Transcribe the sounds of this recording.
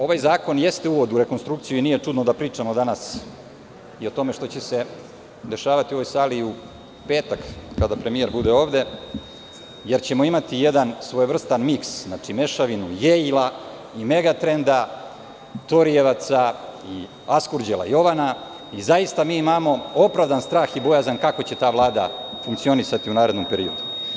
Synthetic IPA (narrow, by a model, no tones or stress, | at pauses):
o̞ʋajzaːko̞nje̞st̪euːʋo̞d̪uɾe̞konst̪ɾuk̚t̪sijuinije̞t͡ʂud̪nod̪apɾiːt͡ʂamo̞d̪anas | io̞t̪o̞meʃt̪o̞t͡ɕe̞se̞ | d̪e̞ʃaːʋat̪io̞ʋo̞jsaːliu | pe̞ːt̪akkad̪apɾe̞mijeɾbud̪eo̞ːʋd̪e̞ | jeɾt͡ɕe̞moimat̪ijed̪ansʋojvr̩st̪anmiksznat͡ʂime̞ʃaʋinujeila | ime̞ɡat̪ɾe̞nd̪a | t̪o̞ɾieʋat̪sai | askuɾd͡ʑelˠa̰jo̞ʋana | izaist̪amiːimamo̞o̞pɾaʋd̪anst̪ɾaːxibo̞jazankako̞t͡ɕe̞t̪aːʋlˠaːd̪afuŋkt̪sio̞nisat̪iunaːɾe̞d̪nompe̞ɾio̞̰d̪u